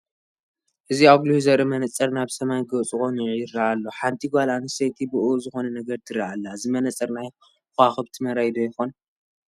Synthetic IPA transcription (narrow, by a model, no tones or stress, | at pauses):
ʔɨziaɡliuzɐɾɐmɐnɐt͡sʼɐɾnaβsɐmajɡɐt͡sʼɨkonʕjɪɾːaʔalːoħant̪ʰʼiɡʷalanɨsejt̪ʰibɨʔuzɨxo̞nɐnɐɡɐɾt̪ʰɨɾːaalːazimɐnɐt͡sʼɐɾnaj | xaxɨβt̪ʰɨmɐɾajd̪ojɪxon